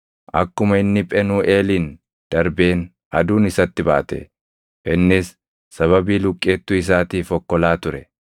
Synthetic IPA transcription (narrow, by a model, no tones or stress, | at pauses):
ʔɐ̰kːʊmɐɪnːɪpʼɛnuːʔe̞ːliːn | d̪̥ɐɾbe̞ːn | ʔɐ̰d̪uːnɪsɐt̪ːɪba̰ːt̪ɛ̰ | ʔɛnːɪs | sɐβɐbiːlʊkʼːeːt̪ːʊɪs̬aːt̪iːfɔkːɔlaːt̪ʊɾɛ